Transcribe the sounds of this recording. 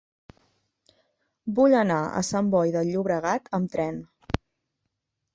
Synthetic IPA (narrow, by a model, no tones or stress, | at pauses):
buʎənaə̰sambɔjðəʎːuβɾəɣ̞at̪ʰəmt̪ɾɛn